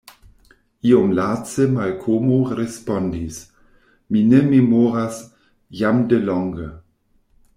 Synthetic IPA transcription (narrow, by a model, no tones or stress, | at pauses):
ʔiomlaːt͡səmalkʰoːmoɾespɔndis | minɛmemoːʁas | jamdəlɔŋɡə